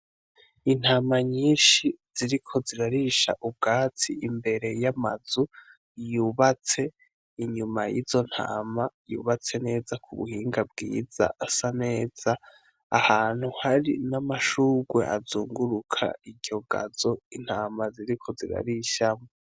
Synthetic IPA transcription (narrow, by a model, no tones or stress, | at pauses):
in̥haːmaɲiːnʃiz̥iɾikʰo̞ziɾaɾiʃa̰ʔub̚ɡaːtʰiimbe̞ɾe̞jamazu | juːβat͡se̞ | iɲumajiːzo̞n̥ha̰ːmajṵːβat͡se̞ne̞ːzakʰuβṵhiːŋɡab̚ɡḭːz̥a̰ʔasane̞ːz̥aː | haːn̥huhaɾinamaʃuːɡwe̞̰ʔazuːŋɡuɾukʰa̰iɟo̞ɡa̰zo̞in̥haːmaziɾikʰo̞ziɾa̰ɾiʃamo